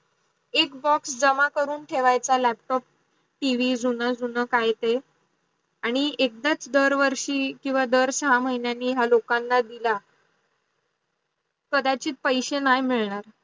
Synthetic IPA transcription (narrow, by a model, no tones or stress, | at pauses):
ekbɔksd͡zəmakəɾuːnʈʰeʋajt͡salæp̚ʈɔp̚ | ʈiʋid͡zunəd͡zunəkajt̪e | aɽ̃iek̚d̪at͡sd̪əɾʋəɾʂiːkĩʋad̪əɾsəɦam̤əɦinjanːiːɦjalokanːad̪ila | kəd̪at͡ɕiːt̪̚pəjɕenajmiɭɳaɾ